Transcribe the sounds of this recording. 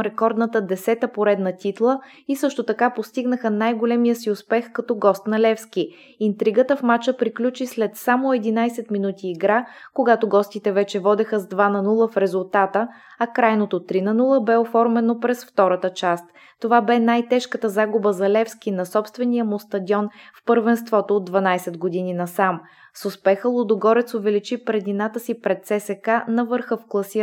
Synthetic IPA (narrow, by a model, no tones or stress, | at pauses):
ɾɛkɔɾd̪nət̪əd̪ɛsɛt̪əpoɾɛd̪nət̪it̪lˠə | isɤʃt̪ot̪ɐkapost̪iɡnəxənajɡolɛmijəsiʊspɛxkɐt̪ɔɡɔst̪nɐlɛfski | int̪ɾiɡət̪əfmat͡ʃəpɾiklʲut͡ʃislɛt̪samoɛd̪inajsɛt̪minut̪iːɡɾakoɡat̪oɡɔst̪it̪ɛvɛt͡ʃɛvɔd̪ɛxəzd̪vanɐnulˠəfɾɛzʊlˠt̪at̪ə | ɐkɾajnot̪ot̪ɾinɐnulˠəbɛofɔɾmɛnopɾɛsft̪ɔɾət̪ət͡ʃast̪ | t̪ovabɛnajt̪ɛʃkət̪əzaɡʊbəzɐlɛfsk̟inɐsɔpst̪vɛnijəmost̪ɐd̪ʲiɔnfpəɾvɛnst̪vɔt̪oːd̪ːvɐnajsɛt̪ɡod̪ininɐsam | sʊspɛxəlˠod̪oɡɔɾɛt̪sovɛlit͡ʃipɾɛd̪inat̪əsipɾɛt̪sɛsɛkanɐvɤɾxəfklˠɐsi